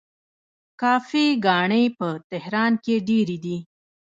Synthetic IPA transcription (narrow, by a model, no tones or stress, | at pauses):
kɑfiɡɑɳəjpət̪ɪhɾɑnkeɖeɾid̪i